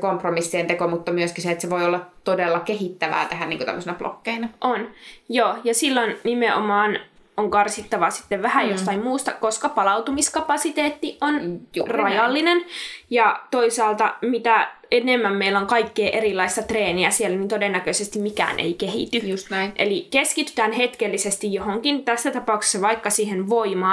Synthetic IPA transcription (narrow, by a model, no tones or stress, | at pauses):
kompromisːient̪ekomut̪ːɑmyøskiseet̪seʋoiolːɑt̪odelːɑkehit̪ːæʋæ̰ːt̪æhæniːŋkot̪æ̰mːøsenɑplo̰kːeinɑʔonjoːjɑsilːonnimeʔo̰mɑːnoŋkɑrsit̪ːɑʋɑsi̥t̪ːeʋʋæhæjjost̪ɑimmuːst̪ɑkoskɑpɑlɑut̪umiskɑpɑsit̪eːt̪ːiʔonrɑjɑlːinenjɑt̪oisɑːlt̪ɑmit̪æ | enemːæmmeiloŋkɑikːeːʔeɾilːˑɑist̪ɑt̪reːniæsielænint̪odenːækøisest̪imikæ̰ːnʔḛikehḭt̪yusʔelikeskit̪y̥t̪æːnhet̪kelːisest̪ijjohoŋkint̪æsːæt̪ɑpɑˑukse̥sːɑʋɑikːɑsiːhenʋoimɑː